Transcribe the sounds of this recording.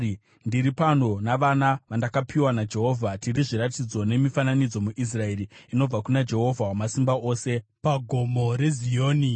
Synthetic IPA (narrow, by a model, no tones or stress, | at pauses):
ndiɾipano̞naʋanaʋandakapʰiwanad͡ʒe̞ɦo̞vʱatiɾiʐiɾatid͡zo̞ne̞mifananid͡zo̞muʔis̬rae̞ɾiino̞b͡vakunad͡ʒe̞ɦo̞vʱawamasimbao̞ːse̞paɡʱomo̞ɾe̞zioːni